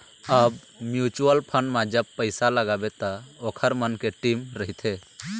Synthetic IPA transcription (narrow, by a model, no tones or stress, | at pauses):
əb | mjut͡ʃuəlpʰəɳɖmad͡ʒəbpːəjsaləɡabɛt̪aɔkʰəɾmənkeʈimɾəɦit̪ʰe